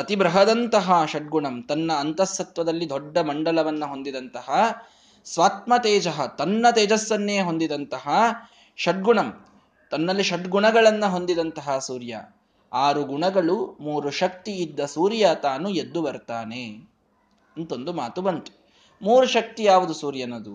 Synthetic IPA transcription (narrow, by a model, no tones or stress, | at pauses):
ɐt̪ibɾɐɦɐd̪ɐnt̪ɐɦɐʃɐʈ̚ɡuɳɐmt̪ɐnːɐːnt̪ɐsːɐt̪ʋɐd̪ɐlːid̪ɔɖːɐmɐɳɖɐlɐʋɐnːɐɦo̞nd̪id̪ɐnt̪ɐɦɐ | sʋaːt̪mɐt̪eːd͡ʒɐɦɐt̪ɐnːɐt̪eːd͡ʒɐsʋɐnːeːɦond̪id̪ɐnt̪ɐɦɐ | ʃɐʈ̚ɡuɳɐm | t̪ɐnːɐlːiʃɐʈɡuɳɐɡɐɭɐnːɐɦo̞nd̪id̪ɐnt̪ɐɦɐsuːɾjɐ̰ | aːɾuɡuɳɐɡɐɭumuːɾuʃɐk̚t̪iːd̪ːɐsuːɾjat̪aːnued̪ːubɐɾt̪aːne | ɐnt̪o̞nd̪umaːt̪ubɐnt̪u̥ | muːɾuʃɐk̚t̪ijaːʋud̪usuːɾjɐnɐd̪u